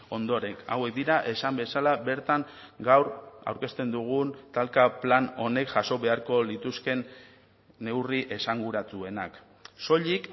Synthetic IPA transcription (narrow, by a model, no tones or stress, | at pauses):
o̞nd̪o̞ɾe̞ka̰we̞k̚d̪iɾaʔe̞sambe̞salabe̞ɾt̪aŋ | ɡawɾa̰wɾke̞st̪e̞nd̪uɣ̞unt̪alkaplano̞ne̞kʝaso̞βe̞aɾko̞lit̪uske̞nː | e̞wriʔe̞saŋɡuɾat͡s̪ue̞nak | so̞ʎik